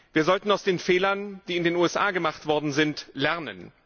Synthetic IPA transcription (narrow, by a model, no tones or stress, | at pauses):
v̥iːɐzɔltn̩aʊsd̥eːnfɛːlɐnd̥iːɪndeːnuːɛsʔaːɡəmaχtv̥ɔɐdn̩zɪntlɛɐnə̰n